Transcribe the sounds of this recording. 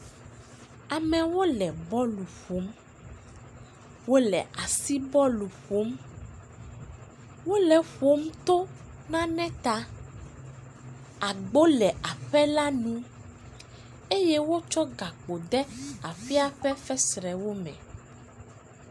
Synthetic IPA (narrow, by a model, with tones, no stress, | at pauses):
a˨mɛ̃˨wo˦lɛ˨bɔ˦lu˨ɸo˨˦m | wo˦lɛ̰˨ʔa˨si˦bɔ˦lu˨ɸo˨˦m | wo˦lɛ˨ɸo˦m˦t̪o˦nã˦nɛ̃˦t̪a˦ | a˨ɡ͡bo˦lɛ˨ʔa˨ɸɛ˦la˦nũ˦ | e˦jɛ˦wo˦t͡ʃɔ˦ɡa˨k͡po˨d̪ɛ˦a˨fi˦a˦ɸɛ˦fɛ˦sɾɛ˨wo˦mɛ̰̃˨